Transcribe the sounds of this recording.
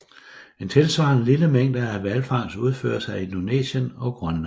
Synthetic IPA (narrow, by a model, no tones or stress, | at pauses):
e̝nt͡sʰe̝lsʋɑ̰̈ːnəliləmeŋ̰d̥əæʋælfɑ̈ŋ̰suð̞ˠfø̰ːɐsɑ̈ɪinune̝̰ːɕənɒ̽ɡ̥ʁɶnlɑn